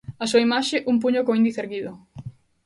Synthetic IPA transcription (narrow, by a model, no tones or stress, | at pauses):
asuɐimaʃeʔump̬uɲokoĩnd̪iθeɾɣiðo